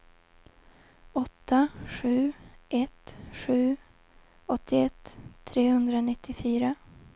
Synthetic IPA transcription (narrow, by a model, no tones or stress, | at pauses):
ɔt̪ːaɧʉ̟ːʔɛt̪ɧʉ̟ː | ɔt̪ʰːɪɛt̪ʰːɾeːhɵnd̪ɾanɪt̪ʰːɪfyːɾa